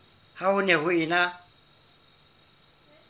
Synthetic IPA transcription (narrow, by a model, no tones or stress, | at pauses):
hahʊnɛɦʊɪna